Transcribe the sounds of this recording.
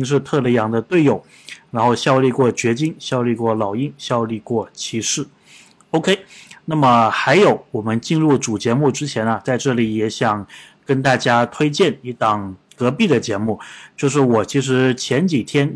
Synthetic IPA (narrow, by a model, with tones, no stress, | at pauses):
i˥ŋʂ̬ɻ̩˥˧t̪ʰɤ˥˧lə˧˥˩jɑ˧˥ŋd̪ə˧t̪we˥˧ɪjo˨˩ʊ | ɻa˧˥nxo˥˧ʊɕjɑ˥˧ʊli˥˧kwɔ˥˩t͡ɕɥɛ˧˥t͡ɕi˥ŋɕjɑ˥˧ʊli˥˧kwɔ˥˩lɑ˨˩ʊi˥nɕjɑ˥˧ʊli˥˧kwɔ˥˩t͡ɕʰi˧˥ʂɻ̩˥˩ | o˥ʊkʰe˥ɪna˥˩mə˩xa˧˥ɪjo˧˥ʊwɔ˨˩mə˦nt͡ɕi˥˧nɻu˥˩ʈ͡ʂu˨˩t͡ɕjɛ˧˥mu˥˩ʈ͡ʂɻ̩˥t͡ɕʰjɛ˧˥nɐ˧t͡sa˥˧ɪʈ͡ʂɤ˥˩li˨˩jɛ˧˥ɕjɑ˨˩ŋ | kə˥nt̪a˥˩t͡ɕja˥t̪ʰwe˥ɪt͡ɕjɛ˥˩ni˥˩t̪ɑ˨˩ŋ | kɤ˧˥pi˥˩d̪ə˩t͡ɕjɛ˧˥mu˥˩t͡ɕjo˥˧ʊʂ̬ɻ̩˥˩wɔ˨˩t͡ɕʰi˧˥ʂ̬ɻ̩˧˥t͡ɕʰjɛ˧˥nt͡ɕi˨˩t̪ʰjɛ˥n